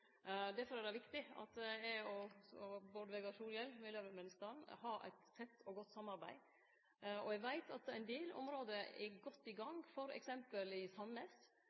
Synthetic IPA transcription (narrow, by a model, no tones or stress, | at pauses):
d̪æɾfɔɾæd̪ɛʋɪkt̪ɪɑ̰t̪ɛɔɔboɖ̪ʋɛɡɑʂuːljɛlmɪløːʋɛmɛnst̪ɑnhɑæ̰ɪt̪t̪ʰːɛt̪ːɔɡɔt̪ːsɑmɑɾbæɪ | ɔɛɡʋæɪt̪ʰɑt̪æɪnd̪eːlɔ̰mɾoːd̪əɛ̰ɡɔt̪ːɪɡɑŋfɔɾɛ̰ksɛmpəlɪsɑnəs